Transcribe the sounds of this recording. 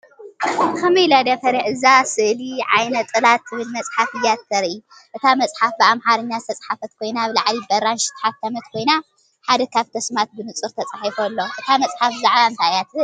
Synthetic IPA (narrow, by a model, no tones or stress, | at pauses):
kɐmɐjlad̪afɐɾiʕɨzasɨʔliʕa̰jnɐt̪ʼɨlat̪ʰːɨβɨlmɐt͡sʼħafɨjːat̪ʰːɐɾʔi | ʔɨt̪ʰamɐt͡sʼħafbɨamħaɾɨɲːazɨt̪ʰɐt͡sʼħafɐt̪kʰo̞jnabɨlaʕlibɐɾanʃɨ̥t̪ʼħaft̪ʰːamɐt̪̚kʰo̞jna | ħad̪ɐkʰaβt̪ʰɐsmat̪̚bɨnɨt͡sʼɨɾt̪ʰɐt͡sʼaħifɐlːo̞ʔɨt̪ʰamɐt͡sʼħafzaʕβaɨnt̪ʰajat̪ʰɨ